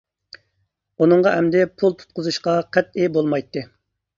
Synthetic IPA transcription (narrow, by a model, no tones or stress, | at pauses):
unɨŋʁɑʔɛmd̪ɪpʰulˠt̪ʰu̥t̪̚qʊzuʃqɑqʰɛt̪ɪbolˠmɑjt̪ʰːɨ